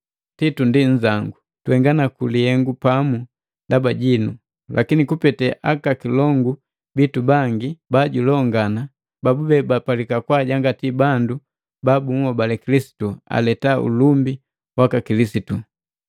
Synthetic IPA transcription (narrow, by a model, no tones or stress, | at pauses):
titundiɲ̩d͡ʒaŋɡu | tuhɛŋɡanakulihɛŋɡupamu | dabaɟinu | lʔakinikupɛtɛʔakakilɔŋɡu | bitubaŋɡibaɟulɔŋɡana | babubɛbapalikakwaɟaŋɡatibandu | babuŋwɔbalɛkilisi̥tua̰lɛtaṵlumbi | wakakilisitu